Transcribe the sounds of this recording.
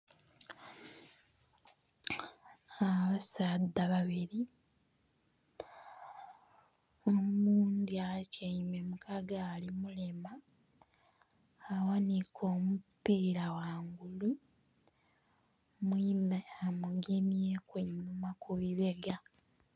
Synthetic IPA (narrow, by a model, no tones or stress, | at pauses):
aβasaːdːaβaβiɾi | omuːnd̪iacaimemukʰaɡalimulema | wanikʰo̞ːmupːiːɾawaːŋɡulu | mwimeamuɡeniekweɲumakuβiβe̞ɡa